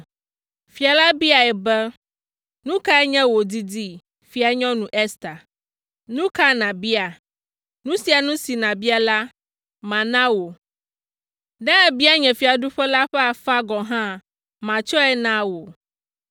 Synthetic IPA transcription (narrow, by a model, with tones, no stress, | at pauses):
fi˨a˨la˦bi˦a˨ɛ˨bɛ˦ | nũ˦ka˦ɛ˦ɲɛ̃˦wo˨di˦di˦ | fi˨a˨ɲɔ̃˦nũ˨ʔɛ˦st̪a˨ | nũ˦ka˦nã˨bi˦a˨ | nũ˦si˨a˨nũ˦si˨nã˨bi˦a˨la˦ | mã˨nã˦wo˨ | ɖã˦ɛ˨bi˦a˦ɲɛ̃˨fi˨a˨ɖu˦ɸɛ˦la˦ɸɛ˦a˨fa˦ɡɔ˨ɦã˦ | mã˨t͡ʃɔ˦ɛ˦nã˦wo˨